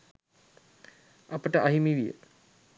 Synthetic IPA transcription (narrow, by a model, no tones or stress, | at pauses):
ɐpəʈəɐɦimiʋijə̰